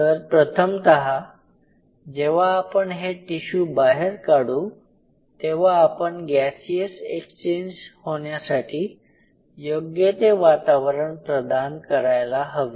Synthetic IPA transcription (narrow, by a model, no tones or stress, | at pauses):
t̪əɾpɾət̪ʰəmt̪əɦa | d͡ʑeʋ̤aːpəɳɦeʈiɕuːbaɦeɾkaɽu | t̪eʋaːpəɳɡæsiəsekst͡ɕend͡ʑhoɳjasaʈʰiː | joɡjet̪eʋat̪aʋəɾəɳpɾəd̪ankəɾajlaɦəʋi